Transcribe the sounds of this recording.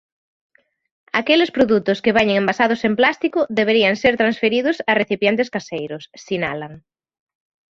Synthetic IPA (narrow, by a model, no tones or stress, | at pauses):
akelespɾoðut̪ʊskeβɛɲeŋembasaðʊsemplast̪ikʊðeβ̞eɾiaŋseɾt̪ɾãnsfeɾiðʊsareθipjent̪eskasejɾʊsːinalaŋ